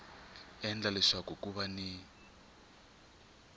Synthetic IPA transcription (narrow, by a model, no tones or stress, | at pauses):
ɛnd͡ɮalɛʂakokuβani